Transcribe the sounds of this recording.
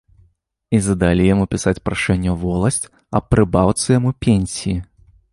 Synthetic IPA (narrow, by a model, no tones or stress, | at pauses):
izɐd̪alʲijamupʲisat͡sʲpɾaʂɛnʲːɐvɔlˠɐsʲt͡sʲ | ɐpːɾɨbawt̪sɨjamupʲenʲsʲiji